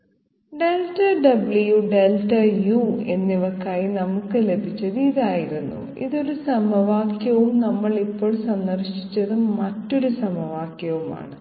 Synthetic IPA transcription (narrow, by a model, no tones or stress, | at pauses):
ɖe̞lʈɐɖɐbljuɖelʈɐjue̞nːiʋɐkːaːjinɐmukːɨle̞bʱit͡ɕːɐðɨiðaːjiɾunːṵ | ḭðo̞ɾusɐmɐʋaːkjɐʋumnɐmːɐɭipːo̞ːɭsɐnːɐrʂi̥t͡ɕːɐðumɐtːo̞ɾusɐmɐʋaːkjɐʋuma̰ːɳɨ